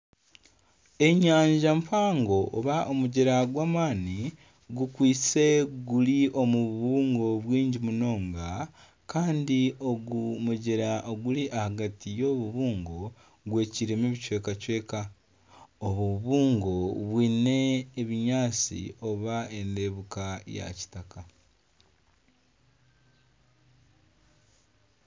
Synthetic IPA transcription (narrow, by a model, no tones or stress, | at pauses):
e̞ɲaːɲɟampʰaːŋɡo̞ʔːβaʔomuɟeɾaɡwaːmaːni | ɡukwiːt͡se̞ɡuliʔo̞muβuβuːŋɡo̞βwiːɲɟimuno̞ːŋɡa | kaːndio̞ɡumuɟeɾaʔoɡuliʔahaɡatijo̞βuβuːŋɡo̞ | ɡwe̞ːciɾemeβit͡ʃwe̞ːkacwe̞ːka | oβuuβuːŋɡo̞βwiːne̞ːβiɲaːt͡sḭo̞βae̞nde̞ːβukaja̰ci̥taka